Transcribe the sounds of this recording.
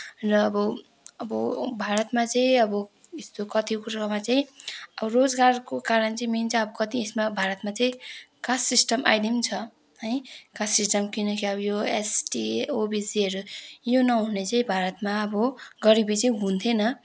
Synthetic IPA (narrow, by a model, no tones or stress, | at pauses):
rʌːbʌ | ʌbʌbʱaɾʌt̪mat͡saĩʌbʌ | est̪okʌt̪ikuɾamat͡saĩʌbʌrod͡zɡarkokaɾʌnt͡saĩment͡sʰaʌbʌkʌt̪iesmabʱaɾʌt̪mat͡saĩkasisʈʌmʔa̰jd̪imt͡sʰʌ | ɦʌjkasisʈʌmkinʌkiʌbʌjoesʈiobid͡ziɾjonʌɦunet͡saĩbʱaɾʌt̪maʌbʌɡʌɾibit͡saĩɦũnt̪ʰenʌ